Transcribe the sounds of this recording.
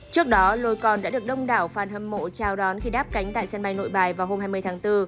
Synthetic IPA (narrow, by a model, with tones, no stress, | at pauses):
t͡ɕɨ˦˥ək̚ɗɔ˨˦lo˧jkɔ˨˩nɗa̰ː˧˥ɗɨ˨˩ək̚ɗə˧wŋ͡mɗaː˧˩wfaː˨˩nhə˧˩mːo̰˧˨t͡ɕaː˧˩wɗɔ˨˦nxi˧ɗaː˦˥p̚ka˨˦jŋ̟t̪a̰ː˧˨jsɛ˧nɓa˧jno̰˧˨jɓaː˨˩jvaː˨˩wɦo˧mɦaː˧jmɨ˧əjt̪aː˨˦ŋt̪ɨ˧